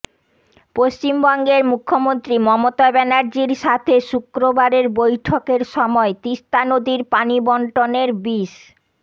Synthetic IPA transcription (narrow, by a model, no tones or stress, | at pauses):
post͡ɕimbɔŋɡeɾmukʰːomont̪ɾimɔmot̪abɛnaɾd͡ʑiɾʃat̪ʰeʃukɾobaɾeɾbojʈʰokeɾʃɔmɔet̪iʃt̪anod̪iɾpanibɔɳʈoneɾbiʃ